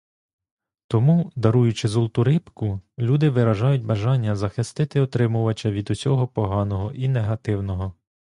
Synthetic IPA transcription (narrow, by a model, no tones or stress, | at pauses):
t̪ɔmud̪ɐɾujʊt͡ʃɪzɔlˠt̪ʊɾɪpkʊlʲud̪ɪʋɪɾɐʒɑjʊt̚ʲbɐʒɑnʲːɐzɐxɪst̪ɪt̪ɪɔt̪ɾɪmʊʋɐt͡ʃɐʋʲid̪usʲɔɦɔpɔɦɑnɔɦɔʔineɦɐt̪ɪwnɔɦɔ